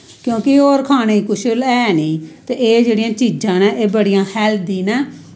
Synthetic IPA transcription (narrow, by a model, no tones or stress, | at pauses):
kjõːkɪoːɾkʰaːneːikʊʃlɛːniːt̪eːeːd͡ʒeːɽijãːt͡ʃiːd͡ʒãːnɛːʔeːbəɽijãːhɛːld̪ĩːnɛː